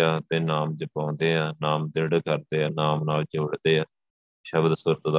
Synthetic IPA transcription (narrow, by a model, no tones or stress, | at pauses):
aːt̪eːnaːmd͡ʒəpãːnd̪eːãːnaːmd̪eɽkəɾd̪eːaːnaːmnaːld͡ʒoːɽd̪eːaː | ʃəbd̪sʊɾt̪d̪